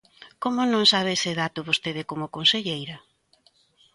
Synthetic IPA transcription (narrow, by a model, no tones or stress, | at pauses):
komʊnõŋsaβ̞eseðat̪ʊβost̪eðɪkomʊkonseʎejɾɐ